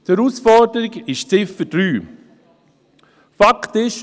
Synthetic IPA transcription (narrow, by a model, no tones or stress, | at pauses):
t̪ɛɾuːsfɔɾdəɾɪɡɪʃt͡sɪfəd̥ɾyː | faktɪʃ